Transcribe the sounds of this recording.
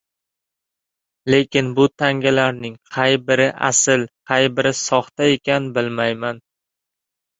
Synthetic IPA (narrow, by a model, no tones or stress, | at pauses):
le̞kʲɪnbʊt̪ʰaŋɡʲalaɾnɪŋqʰɑjbɪɾɪʔa̰sɪlqʰɑjbɪɾɪsɒχt̪ae̞kʲanɪbɪlmajman